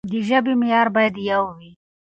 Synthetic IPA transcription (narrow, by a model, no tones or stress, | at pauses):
d̪iʒabimijɑːɾbɑːjad̪jawwi